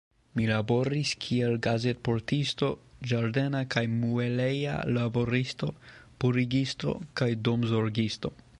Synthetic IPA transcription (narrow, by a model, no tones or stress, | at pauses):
milabo̞ɾiskʰielɡaze̞tpo̞ɾtisto̞d͡ʒaɾde̞nakajmueleja̰labo̞ɾisto̞puɾiɡisto̞̰kajdomzoɾɡisto̞